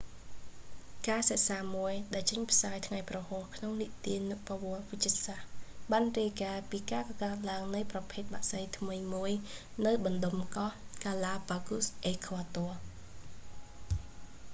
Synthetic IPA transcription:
kaːsaʔsaːmuəjɗaɛlt͡ɕəɲpʰsaːjt̪ʰŋajprɑhɔːhkʰnoŋniʔt̪iənuʔpaʋŏəlʋɨc̪̚t͡ɕiəsahɓaːnriəjkaːpiːkaːkɑkaət̪̚laəŋnɨjprɑpʰeːt̪̚ɓaːʔsəjt̪ʰmɨjmuəj | nɨwɓɑnɗomkɑhkaːlaːpaːkusʔeːkʰoət̪oə

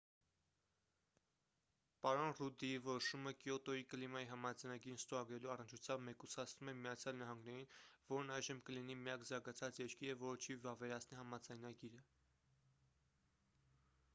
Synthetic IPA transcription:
pɑɾɔnrud̪iivɔɾɔʃuməkjɔt̪ɔjikəlimɑjiɦɑmɑd͡zɑjnɑɡiɾnst̪ɔɾɑɡɾɛluɑrənt͡ʃʰut͡sʰjɑmbmɛkusɑt͡sʰnumɛmijɑt͡sʰjɑlnɑɦɑŋɡnɛɾinvɔɾnɑjʒəmkəlinimijɑkzɑɾɡɑt͡sʰɑt͡sjɛɾkiɾəvɔɾət͡ʃʰivɑvɛɾɑt͡sʰniɦɑmɑd͡zɑjnɑɡiɾə

